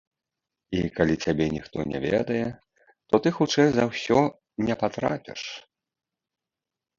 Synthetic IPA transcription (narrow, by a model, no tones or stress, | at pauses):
ikalʲit͡sʲabʲɛnʲixt̪ɔnʲɛ̰vʲɛ̰d̪ɐjɛ | t̪ɔt̪ɨxut͡ʂɛjzɐwsʲɔ | nʲɛpat̪ɾa̰pʲɛ̰ʂ